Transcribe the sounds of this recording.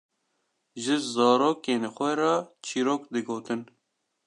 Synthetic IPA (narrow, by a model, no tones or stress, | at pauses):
ʒɨzɑːɾoːkeːnxʷɛɾɑːt͡ʃʰiːɾoːkd̪ɨɡoːt̪ɨn